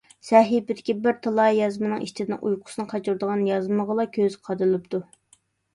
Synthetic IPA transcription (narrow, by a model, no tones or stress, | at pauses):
sɛɦibɪd̪ɪkʲibɪɾt̪ʰɑlˠɑjɑzmɨnɨŋḭʃt͡ʃʰɪd̪nɨŋʔujqʰʊ̥sɨnɨqʰɑt͡ʃʰuɾd̪əʁɑnjɑzməʁəlˠɑkʲʰøzqʰɑd̪ɨlˠɨpt̪u